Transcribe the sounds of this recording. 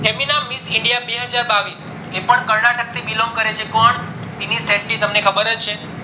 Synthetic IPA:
eminamːisɪɳɖijabeɦəd͡ʒaɾbaʋis | epəɳkəɾɽaʈək̚t̪ʰibilomkəɾet͡ʃʰekɔɳ | st̪inisɛ̃ʈlit̪əmnekʰəbəɾət͡ʃʰe

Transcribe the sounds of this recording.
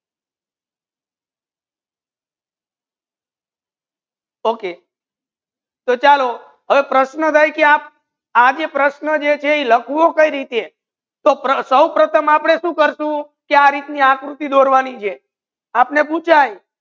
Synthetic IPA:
oke | t̪ot͡ʃalo | ɦəʋepɾəʃnəd̪ʱajkeap̚ | ad͡ʒepɾəʃnəd͡ʒet͡ʃʰeiləkʰuʋokəiɾit̪ee | t̪opɾəsəwpɾət̪ʰəmapɽ̃eʃũkəɾʃũ | keaɾit̪niakɾut̪id̪oɾʋanit͡ʃʰe | apnep̬ũt͡ʃʰaj

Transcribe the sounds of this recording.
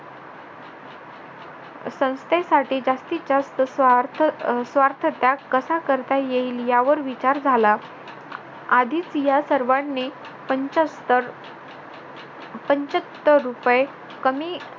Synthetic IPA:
sə̃w̃st̪esaʈiːd͡ʑast̪it͡ɕast̪əs | sʋaɾt̪ʰət̪jakəsakəɾt̪ajeɦiːljaʋəɾʋit͡ɕaɾd͡zʱala | ad̪ʱiːt͡sjasəɾʋaɳːe | p̪ | pəɲt͡ɕət̪ːəɾːupje | kəmiː

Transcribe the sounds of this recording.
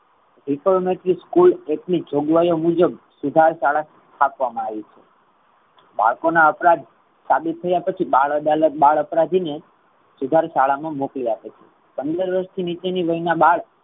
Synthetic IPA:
ɾifəlmeʈɾiskuleknid͡ʒoɡʋajomud͡ʒəbsud̪ʱaɾʃaɭa | t̪ʰapʋamãaʋit͡ʃʰe | ba̰ɭkonaəpɾad̪ʱ | sabit̪ːʰəjapət͡ʃʰibaɭəd̪alət̪baɭəpɾad̪ʱine | sud̪ʱaɾʃaɭamãmokliapet͡ʃʰe | pənd̪əɾʋəɾʃt̪ʰinit͡ʃeniʋəinabaɭ

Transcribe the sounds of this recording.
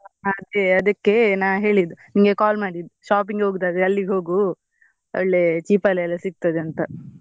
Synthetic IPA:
ɐd̪eɐd̪ɐkːe̞naːɦe̞ːɭid̪uniŋɡekaːlmaːɽid̪uʃaːp̬iŋɡeoːɡt̪aːd̪eɐlːiɡɦo̞ːɡu | o̰ɭːet͡ʃiːpɐlɛlːɐsiɡ̚t̪ɐd̪eɐnt̪ɐ

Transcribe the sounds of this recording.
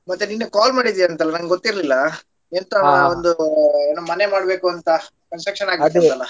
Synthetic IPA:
mɐt̪ːeninːukaːlmaːɽid̪ijaːnt̪ɐlːɐnɐŋɡɡot̪ːiɾlilːɐ | ent̪oond̪uɐnːumɐne̞maːɽbe̞ːkuɐnt̪ɐ | kɐnsʈɾɐkʂɐnaːɡiɐt̪ɐlːɐ

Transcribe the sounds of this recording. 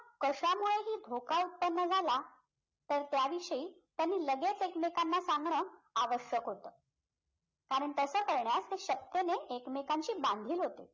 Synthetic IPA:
kəɕamuɭeɦiːd̪ʱokaut̪̚pənːəd͡zʱala | t̪əɾt̪jaʋiʂəiː | t̪janːiːləɡet͡sekmekanːasaŋɡɳəːaʋəɕjəkɦot̪əː | kaɾəɳt̪əsəːkəɾɳjast̪eɕək̚t̪eneʔekmekaɲt͡ɕiːbãnd̪ʱiːlɦot̪e

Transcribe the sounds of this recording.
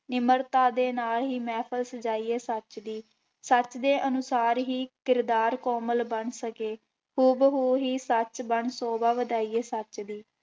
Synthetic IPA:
nɪməɾt̪aːd̪eːnaːlɦiːmɛːpʰəlsəd͡ʒaːiːeːsət͡ʃd̪iː | sət͡ʃd̪eːʔənʊsaːɾɦiːkɪɾd̪aːɾkɔːməlbəɳsəkeː | xuːbɦoːɦiːsət͡ʃbəɳsoːbaːʋəd̪aːiːeːsət͡ʃd̪iː

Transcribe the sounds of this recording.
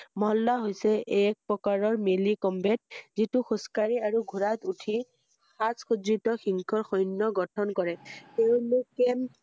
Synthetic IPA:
mɔɦɔlːaɦojsɛʔk̚pɹɔkaɹɔɹmelikɔmbɛt̚zituxɔskaɹiaɹuɡʱuɹat̪utʰi | xasxudɹitɔxiŋkʰɔɹxɔjnːɔɡɔtʰɔnkɔɹɛteʊ̃nukɛm

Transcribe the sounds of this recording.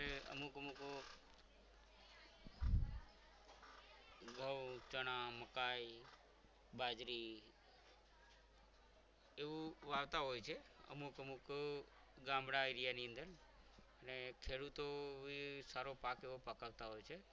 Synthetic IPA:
eə̰mukəmuk | ɡʱəʋt͡ʃəɽ̃aməkaj | bad͡ʒɾi | eʋũʋaʋt̪aɦojt͡ʃʰeə̰mukəmuk | ɡãmɽaiɾijaniənd̪əɾ | ənekʰeɽut̪oʋisaɾopakeʋopəkaʋt̪aɦojt͡ʃʰe

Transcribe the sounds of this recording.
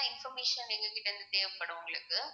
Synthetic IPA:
ɪnfɔɾmeːʂɐnːɪŋɡɐkːɪʈːɐɪnd̪ɯt̪eːʋɐpːɐɽɐʋʊŋɡɐɭɯkːɯ

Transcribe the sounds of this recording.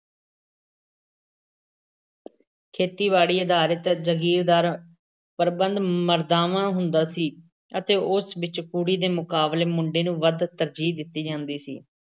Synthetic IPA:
kʰeːt̪iːʋaːɽiːəd̪aːɾət̪d͡ʒəɡiːɾd̪aːɾ | pəɾbənd̪məɾd̪aːʋãːɦʊnd̪aːsiː | ət̪eːʔʊsʋɪt͡ʃkuːɽiːd̪eːmʊkaːbleːmʊɳɖeːnũːʋəd̪t̪əɾd͡ʒiːd̪ɪt̪ːiːd͡ʒãːnd̪iːsḭː

